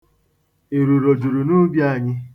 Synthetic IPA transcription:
e˨ɾu˨ɾo˨d͡ʒu˨ɾu˨nu˦bja˦˨ɲɪ˦

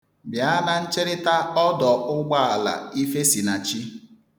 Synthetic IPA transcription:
bja˨˦na˨n̩˦t͡ʃe˦ɾɪ˦ta˦ɔ˦dɔ˨ʊ˦ɡ͡ba˦a˨la̰˨i˦fe˦si˨na˨t͡ʃi˦

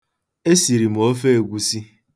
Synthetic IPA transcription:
e˦si˨ɾi˨m̩˨o˦fe˦e˨ɡʷu˨si˦

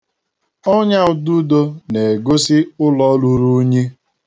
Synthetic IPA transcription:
ɔ˦ɲa˦ʊ˨du˦do˦ne˨e˨ɡo˦sɪ˦ʊ˦lɔ˦lu˦ɾu˦ɲe˦

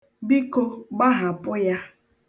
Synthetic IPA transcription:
bi˦ko˦ɡ͡ba˦ɦa˨pʊ˦ja˦

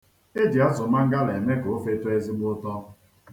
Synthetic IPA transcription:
e˦di˨a˦zʊ˨ma˦ŋ̩˦ɡa˦le˨me˦ko˨o˦fe˦to˦e˦zi˦ɡ͡bʊ˦tɔ˦

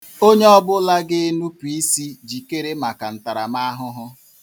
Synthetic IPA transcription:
o˦ɲe˦ɔ˦bʊ˦la˦ɡɪ˦nu˦pi˨i˦si˦d͡ʒi˨ke˦ɾe˦ma˨ka˨n̩˨ta˨ɾa̰˨ma˦a˦ɦʊ˦ɦʊ˦

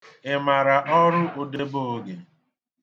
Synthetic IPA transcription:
ɪ˨ma˨ɾa˨ʔɔ˦ɾʊ˦o˨de˦bo˦ɡe˨

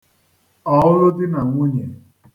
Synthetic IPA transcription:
ɔ˨˦ʊ˦ɾʊ˦dɪ˦na˨ŋʷʊ˦ɲe˨

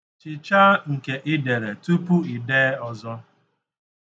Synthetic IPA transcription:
t͡ʃɪ˨t͡ʃa˦ŋ̩˨ke˨ʔɪ˦de˨ɾe˨tu˦pu˦i˨deː˦ɔ˨zɔ˦

